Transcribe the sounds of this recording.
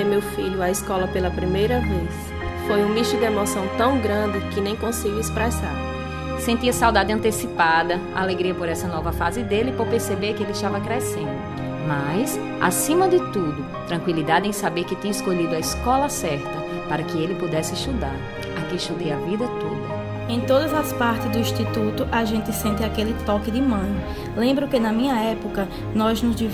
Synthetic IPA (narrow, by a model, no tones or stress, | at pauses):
ɪmewfiʎʊɐiskɔlɐpelɐpɾimejɾɐves | fojũmiʃʊd̪ɪemosɐ̃w̃t̪ɐ̃w̃ɡɾɐ̃d̪ɪkɪnẽj̃kõsɪɡiwɪspɾɛsa̰ɾ | sẽnt̪iɐsawd̪ad̪ɪɐ̃nt̪esipad̪ɐ | a̰leɡɾiɐpoɾɛsɐnɔvɐfazɪd̪elɪpoɾpeɾsebeɾkɪelɪst̪avɐkɾesḛ̃nd̪ʊ | mas | a̰sĩmɐd̪ɪt̪ud̪ʊ | t̪ɾɐ̃kwilid̪ad̪ɪẽj̃sabeɾkɪt̪ĩɲɐɪskoʎid̪ʊɐiskɔlɐsɛɾt̪ɐ | paɾɐkɪelɪpud̪ɛsɪʃt̪ud̪aɾ | akɪʃt̪ud̪ejavid̪ɐt̪od̪ɐ | ẽj̃t̪od̪ɐzɐspaɾt̪ɪzd̪ʊĩʃt̪it̪ut̪ʊʔaʒẽnt̪ɪsẽnt̪ɪakelɪt̪ɔkɪd̪ɪmɐ̃nʊ | lẽmbɾʊkɪnɐmĩɲɐɛpʊkɐ | nɔznʊzd͡ʒiv